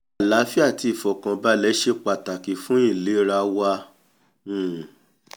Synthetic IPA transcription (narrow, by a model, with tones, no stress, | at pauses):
a˨la˨˦fi˦a˦˨ti˧i˨fɔ˨kã˧ba˦lɛ˨˦ʃe˧k͡pa˨ta˨ki˨fũ˦ĩ˦˨le˨˦ɾa˧˦wa˧ | ũ˦˨